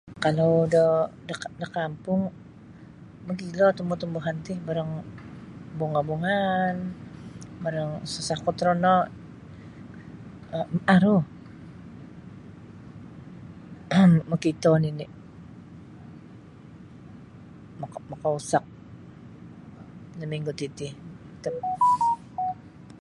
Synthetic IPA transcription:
kalawdədədəkampʊŋ | məkilɔt̪əmbut̪əmbuɦant̪ɪhbaɾəŋ | buŋabuŋan | baɾəŋsəsakɔt̪ɾɔnɔ | aɾu | məkit̪ɔnini | kmakausak̚ | nəmiŋɡut̪it̪ɪh | t̪əp̚

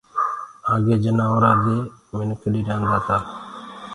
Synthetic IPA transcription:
aːɡeːd͡ʒənãːoːɾaːd̪eːmɪnkʰəɗiːɾãːnd̪aːt̪aː

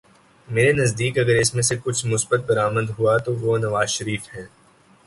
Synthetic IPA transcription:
meːɾenɐzd̪iːkɐɡəɾɪsmẽsekʊt͡ʃʰmʊsbət̪̚bɐɾaːməd̪ɦuat̪oʋonɐʋaːzʃɐɾiːfhɛː

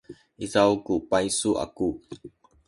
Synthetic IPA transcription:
ʔizawkupaisuʔa̰ku

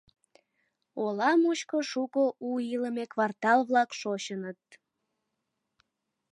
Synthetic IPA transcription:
olɑmut͡ɕkoʃukəʔuiləmekβɑrt̪ɑlβlɑkʃot͡ɕənət̪̚

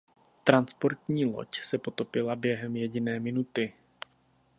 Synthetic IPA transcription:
t̪ɾanspo̞ɾt̪ɲiːlo̞̰csɛpo̞t̪o̞pɪlabjɛɦɛmjɛɟɪnɛːmɪnut̪ɪ

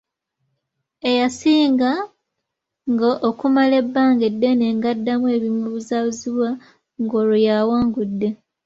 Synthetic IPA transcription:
e̞jasiːŋɡa | ŋɡaʔokumale̞bːaːŋɡedːe̞ne̞ːŋɡadːamwe̞ːβimuβuzaβuziβwa | ŋɡo̞ːlujaːwaːŋɡudːe̞

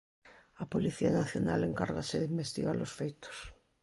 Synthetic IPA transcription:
apoliθianaθjona̰leŋkaɾɣaseðimbest̪iɣaɾlosfejt̪o̥s

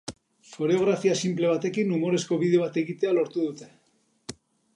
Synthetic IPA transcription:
fo̞ɾeo̞ɣ̞ɾafiasimple̞β̞at̪e̞kinumo̞ɾe̞sko̞βiðe̞o̞β̞at̪e̞ɣit̪e̞alo̞ɾt̪uðut̪e̞

